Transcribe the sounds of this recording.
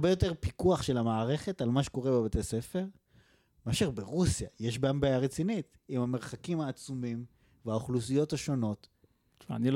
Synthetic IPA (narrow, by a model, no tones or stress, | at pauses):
be̞jo̞te̞ʁpikuaχʃe̞lamaːʁe̞χe̞talmaʃe̥ko̞ʁe̞bebetese̞fe̞ʁ | meaʃiʁbeʁusja̰jeʃbeambajaʁet͡sinit̪ | imhameʁχakimhaːt͡sumim | veaoχlusijo̞thaʃo̞no̞t | va̰nil